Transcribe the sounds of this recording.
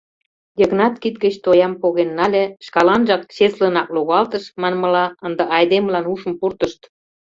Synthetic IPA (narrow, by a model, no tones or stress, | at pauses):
jəɣnɑt̪kit̪̚ɡə̆t͡ɕt̪ojɑmpoɣenːɑlʲeʃkɑlɑnʒɑk̚t͡ɕeslə̆nɑkluɣɑlt̪ə̆ʃmɑnmə̆lɑənd̪ə̆ʔɑjd̪emlɑnuʃə̆mpurt̪əʃt̪